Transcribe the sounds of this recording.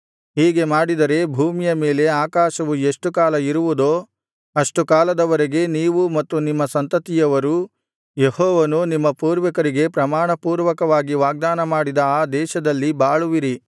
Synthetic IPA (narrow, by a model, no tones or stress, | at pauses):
ɦiːɡe̞maːɽid̪ɐɾe̞bʱuːmijɐme̞ːle̞aːkaːʃɐʋueʂʈukaːlɐiɾuʋud̪oː | ɐʂʈukaːlɐd̪ɐʋɐɾeɡe̞niːʋumɐt̪ːunimːɐsɐnt̪ɐt̪ijɐʋɐɾu | jehɔːʋɐnunimːɐpuːɾʋɐkɐɾiɡe̞pɾɐmaːɳɐpuːɾʋɐkɐʋaːɡiʋaːɡ̚d̪aːnɐmaːɽid̪ɐaːd̪ɛːʃɐd̪ɐlːibaːɭuʋiɾi